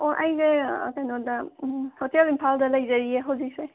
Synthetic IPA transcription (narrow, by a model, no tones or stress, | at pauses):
oʔajzḛkajnɔdɐsotelimpʰaldɐlɐjzaɾieɦawzik̚se